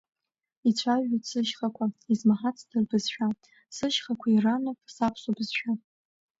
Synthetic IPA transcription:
it͡ɕʷʰaʒasɨʃχakʷʰaizmaħat͡sʰdɨrbɨzʃᶣa | sɨʃχakʷʰairanɨpʼsapʰsobɨzʃᶣa

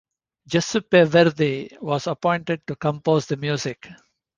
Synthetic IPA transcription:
d͡ʒʌsupeʋɛɾd̪iʋɔːzəpɔ̃ɪ̃ɳʈeɖ̚ʈukə̃mpoːzd̪əmjuːzɪk

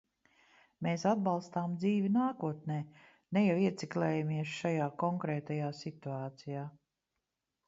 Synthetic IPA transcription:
meːsad̪̚balˠst̪aːmd̪ziːvinaːkuɔt̪neː | nɛjawiɛt̪siklɛːjamiɛsʃajaːkɔŋkɾɛːt̪ajaːsit̪uaːt̪sijaː

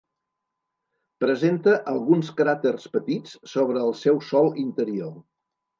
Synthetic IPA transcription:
pɾəzent̪əʔəlˠɣunskɾat̪ərspət̪it͡ssoβɾəːlˠsɛwsɔlˠint̪əɾio

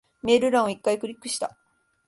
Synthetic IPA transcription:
mʲeɾɯ̟ɾãɰ̃oikːaikɯ̟ɾʲikːɯ̟ɕi̥t̪a̰

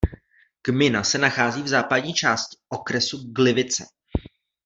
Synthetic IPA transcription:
ɡ̥mɪnasɛnaxaːziːvzaːpadɲiːt͡ʃaːscɪ̥ʔo̞kɾɛsuɡlɪvɪt͡sɛ̰

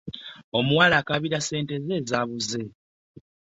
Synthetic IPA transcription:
o̞muwalaːkaβiɾase̞ːnte̞ze̞ːzaːβuze̞

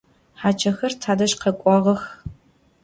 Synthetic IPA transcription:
ħaːt͡ʃʰɐxɐrtʰaːdɐʃqɐkʷʼɔʁɐx

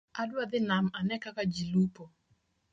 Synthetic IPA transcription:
adwad̪ɪnamanɛkakad͡ʒilupɔ

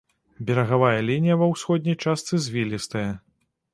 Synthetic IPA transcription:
bʲɛɾɐɣavajɐlʲinʲijɐvɐwsxɔd̪ʲnʲɐjt͡ʂast̪sɨzʲvʲilʲist̪ɐjɛ

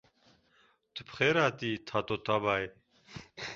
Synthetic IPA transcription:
t̪ʰəpʰχɛɾat̪ʼiːt̪ʰat̪ʼɔt̪ʰʼabaj

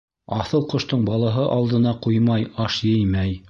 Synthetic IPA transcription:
ɑθɤlˠqŏʃt̪oɴbɑlˠɑɦɤʔɑlˠd̪ɤ̆nɑqujmɑjɑʃjɘjmæj

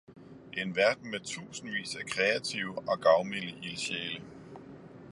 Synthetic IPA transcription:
e̝nʋæɐd̥n̩met͡sʰṵːsn̩ʋḭːsækʰʁɛæt͡sʰiʊɒ̽ɡ̥ɑ̈ʊmiliʔiliɕɛ̰ːlə

